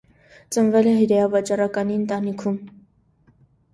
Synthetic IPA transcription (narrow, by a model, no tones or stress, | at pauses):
t͡sənvɛlɛɦəɾɛɑvɑt͡ʃɑrɑkɑniənt̪ɑnikʰum